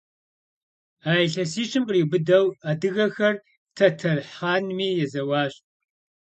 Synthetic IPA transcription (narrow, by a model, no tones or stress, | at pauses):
aːjɬɐsiːʈ͡ʂʰʼɨmqʼriːbɨdɐwaːdɨɣɐxɐr | tʰɐtʰɐrħaːnmiːjɛzɐwɑːɕʼ